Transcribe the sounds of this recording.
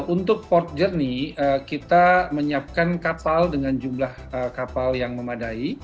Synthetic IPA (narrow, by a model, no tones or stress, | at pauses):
unt̪ʊk̚pɔrt̪̚d͡ʒərniəkit̪aməɲap̚kankapaldəŋand͡ʒumlahəkapaljaŋməmadai